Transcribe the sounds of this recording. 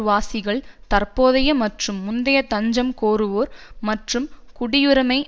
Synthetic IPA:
ʋaːsɪɣɐɭt̪ɐrpoːðɐjɐmɐʈrɯmːʊnd̪ɐjɐt̪ɐɲd͡ʒɐmkoːɾɯʋoːɾmɐʈrɯmkʊɽɪjɯɾɐmɐɪ

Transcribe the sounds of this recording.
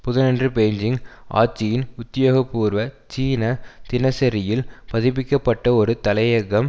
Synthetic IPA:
pʊðɐnɛndrɯpeːɲd͡ʒɪŋʔa̰ːʈt͡ʃːɪjɪnʊt̪ːɪjoːɣɐpːuːɾʋɐt͡ʃiːnɐt̪ɪnɐsɐɾɪjɪlpɐðɪpɪkːɐpːɐʈːɐɔɾɯt̪ɐlɐjɐɣɐm

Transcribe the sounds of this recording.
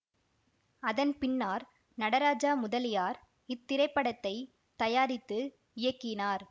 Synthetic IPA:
ɐðɐnpɪnːaːɾ | nɐɽɐɾaːd͡ʒaːmʊðɐlɪjaːɾ | ɪt̪ːɪɾɐɪpːɐɽɐt̪ːɐɪ | t̪ɐjaːɾɪt̪ːɯ | ɪjɐkːɪnaːɾ

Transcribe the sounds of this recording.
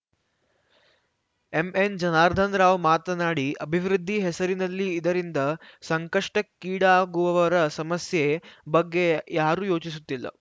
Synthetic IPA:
emend͡ʒɐnaːɾd̪ʱɐnɾaːʋmaːt̪ɐnaːɽiʔɐbʱiʋɾud̪ʱːiɦesɐɾinɐlːiːd̪ɐɾind̪ɐsɐŋkɐʂʈɐkːiːɽaːɡuʋɐʋɐɾɐsɐmɐsjebɐɡːe̞jaːɾuːjo̞ːt͡ʃis̬ut̪ːilːɐ̰

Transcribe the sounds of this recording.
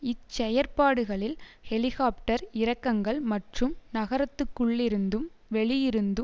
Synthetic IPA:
ɪt͡ʃːɐjɐɾpaːɽɯɣɐɭɪlhɛlɪɣaːpʈɐɾɪɾɐkːɐŋɡɐɭmɐʈrɯmnɐɣɐɾɐt̪ːɯkːɯɭːɪɾɯnd̪ɯm | ʋɛɭɪjɪɾɯnd̪ɯ

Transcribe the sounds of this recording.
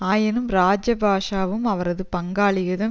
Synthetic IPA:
aːjɪnɯmɾaːd͡ʒɐbaːʂaːʋɯmɐʋɐɾɐðɯpɐŋɡaːɭɪɣɐðɐ

